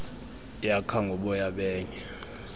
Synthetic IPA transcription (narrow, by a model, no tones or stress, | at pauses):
jakʰaŋɡʱɔɓɔjaɓɛːɲɛ